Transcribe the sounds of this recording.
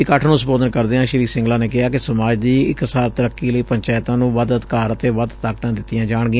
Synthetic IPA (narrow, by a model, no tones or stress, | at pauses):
ɪkəʈʰnũːsəboːd̪ənkəɾd̪eːãːʃəɾiːksɪ̃ŋɡlãːneːkɪɦaːkɪsəmaːd͡ʒd̪iːɪkəsaːɾt̪əɾəkːiːləiːpəɲt͡ʃaːɪt̪ãːnũːʋəd̪əd̪kaːɾət̪eːʋəd̪t̪aːk̚t̪ãːd̪ɪt̪ːɪjãːd͡ʒaːɳ̃ɡɪ̃